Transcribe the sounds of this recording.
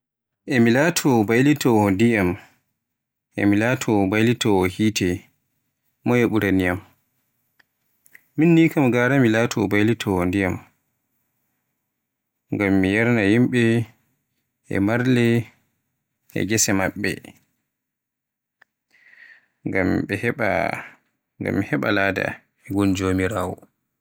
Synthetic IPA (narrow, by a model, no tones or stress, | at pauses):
ʔɛmilaːtʰɔbajlitɔhɔndijam | ʔɛ̰milaːtʰɔbajlitɔɔhiːtɛ | mɔjeɓuɾanijam | minːiːkamɡaːɾamilatʰɔbajlitʰɔhɔndijam | ŋɡamːijɛɾnajimɓɛ | ɛ̰maɾlɛ | ɛ̰ɡɛsɛmaɓːɛ̰ | ŋɡamɛhɛɓa̰ | ŋɡa̰mːihɛɓa̰laːda̰ | ɛɡund͡ʒomiɾaːwɔ̰